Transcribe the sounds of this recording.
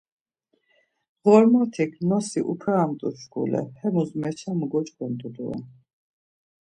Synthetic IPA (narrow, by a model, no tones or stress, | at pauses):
ʁɔɾmɔt̪ʰikʰnɔsiʔupʰaːmt̪ʼuʃɡṵlɛ̰hɛmuzmɛt͡ʃʰamɡɔt͡ʃʼkwɛnt̪ʼud̪uwɛ̰